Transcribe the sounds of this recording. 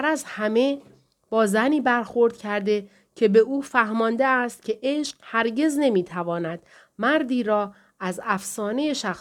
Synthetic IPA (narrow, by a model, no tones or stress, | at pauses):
æɾæzhæme̞ | b̥ɒːzæniːbæɾxo̞ɾd̪̥̚cʰæɾd̪e̞ | cʰe̞be̞ʔuːfæhmɒːnd̪eæst̪̚cʲʰe̞ʔeʃqhæɾɟe̞zne̞miːt̪ʰævɒːnæd̪̥ | mæɾd̪iːɾɒː | æzæfsɒːne̞jeʃæxs